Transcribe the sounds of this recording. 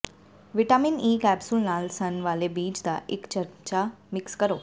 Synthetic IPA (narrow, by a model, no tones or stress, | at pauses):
ʋiʈaminiːkɛbsulnalsənʋalebiːd͡ʑd̪a̰ʔekt͡ɕəɾt͡ɕamikskəɾo